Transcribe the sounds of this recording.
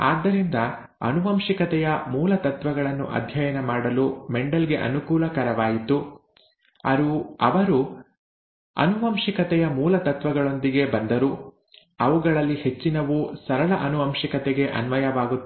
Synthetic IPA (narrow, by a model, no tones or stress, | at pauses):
aːd̪ːɐɾind̪ɐ | ɐ̰nuʋɐmʃikɐt̪ɛjɐmuːlɐt̪ɐt̪ʋɐɡɐɭɐnːuʔɐ̰d̪ʱjɐjɐnɐmaːɽɐlumeɳɖɐlɡe̞ʔɐ̰nukuːlɐkɐɾɐʋaːjit̪u | ɐ̰ɾuɐ̰ʋɐɾu | ɐ̰nuʋɐmʂikɐt̪ɛjɐmuːlɐt̪ɐt̪ʋɐɡɐɭo̞nd̪iɡe̞bɐnd̪ɐɾu | ɐʋuɡɐɭɐlːihe̞t͡ʃːinɐʋusɐɾɐɭɐʔɐnuʋɐmʂikɐt̪ɛɡe̞ʔɐ̰nʋɐjɐʋaːɡut̪ː